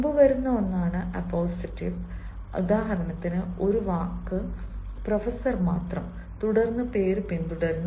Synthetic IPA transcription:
mbɨʋɐɾunːɐonːaːɳɨʔɐpːoːsitːiʋ | ṵd̪aːɦɐɾɐnɐt̪ːinɨo̞ɾuʋaːkːɨ | prɐfɐsɐrmaːt̪rɐm | t̪uɽɐrnːɨpe̞ːɾpind̪uɽɐɾnːɐ

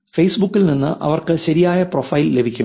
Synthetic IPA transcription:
fejsbukːilninːɨ̰ʔɐ̰ʋɐrkɨɕɐɾijaːjɐprofɐjille̞bʱikʲːu

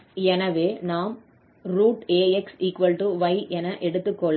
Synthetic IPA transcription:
ɛnɐʋeːnaːm | ɾuːʈeːɛksiːkʋɐlʈuʋɐɪʔɛnɐʔɛɽɯt̪ːɯkːoɭ

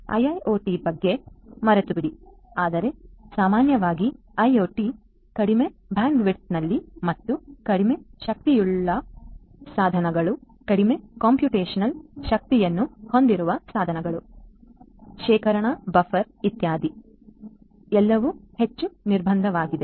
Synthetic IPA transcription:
ɐ̰jɐjoːʈiːbɐɡːe̞mɐɾet̪ubiɽi | aːd̪ɐɾe̞saːmaːnjɐʋaːɡi | ɐjoːʈi | kɐɽime̞bʱaːndʋiɾt̪̚nɐlːimɐt̪ːukɐɽime̞ʃɐk̚t̪ijuɭːɐ | saːd̪ʱɐnɐɡɐɭu | kɐɽime̞kaːmpjuːʈeːʃɐnɐlʃɐk̚t̪ijɐnːuho̞nd̪iɾuʋɐsaːd̪ʱɐnɐɡɐɭu | ʃɛːkɐɾɐɳɐbɐfʰɐɾ | it̪jaːd̪ʱi | ɛlːɐʋuhe̞t͡ʃːuniɾbʱɐnd̪ʱɐʋaːɡid̪e̞

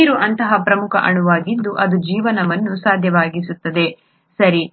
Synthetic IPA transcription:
ɾuʔɐnt̪ɐɦɐpɾɐmukʰɐ̰ʔɐɳuʋaːɡid̪ːuʔɐd̪ud͡ʒiːʋɐnɐʋɐnːusaːd̪ʱjɐʋaːɡisut̪ːɐd̪e̞ | sɐɾi

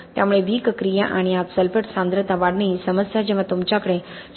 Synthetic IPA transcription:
t̪jamuɭeʋiːkəkɾijaʔaɽ̃iat̪səlpəʈsãnd̪ɾət̪aʋaɽɳisəməsjad͡ʑeʋãt̪umt͡ɕakəɽe

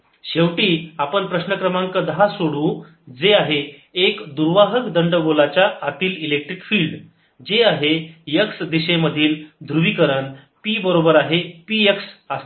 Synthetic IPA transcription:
ɕewʈiːapəɳpɾəɕnəkɾəmãŋkəd̪əɦasoɽũː | d͡zeaɦeːkd̪uɾʋaɦəkd̪əɳɖəɡolat͡ɕjaːt̪iːlilek̚ʈɾikfiːlɖ | d͡ʑeaɦejəksd̪iɕeməd̪ʱiːld̪ʱɾuʋiːkəɾən | piːbəɾobəɾaɦepijəksəst̪

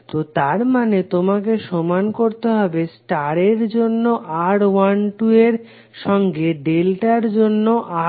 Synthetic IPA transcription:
t̪ot̪aɾmanet̪omakeʃomankoɾt̪eɦɔbesʈaɾeɾd͡ʑonːoʔaɾwanʈueɾ | ʃɔŋɡeɖelʈaɾd͡ʑonːoʔa

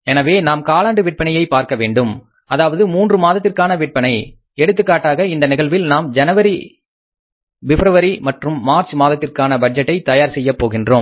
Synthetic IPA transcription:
ɛnɐʋeːnaːmkaːlaːɳɖɯʋɪʈ̚pɐɳɐjɐɪpaːɾkɐʋeːɳɖɯm | ɐðaːʋɐðɯmuːndrɯmaːðɐt̪ːɪrkaːnɐʋɪʈ̚pɐnɐɪ | ɛɽɯt̪ːɯkːaːʈːaːɣɐɪnd̪ɐnɪɣɐɭʋɪlnaːmd͡ʒɐnɐʋɐɾi | ʋɪfɾɐʋɐɾimɐʈrɯmːaːɾt͡ʃmaːðɐt̪ːɪrkaːnɐbɐʈ̚d͡ʒɐʈːɐɪt̪ɐjaːɾsɛjːɐpːoːɣɪndroːm

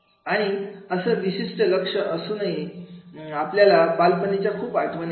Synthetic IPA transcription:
aɽ̃iəsəːʋiɕiʂʈələkʂəʔəsunaɦi | apljalapalpənit͡ɕjakʰuːpaʈ̪mən

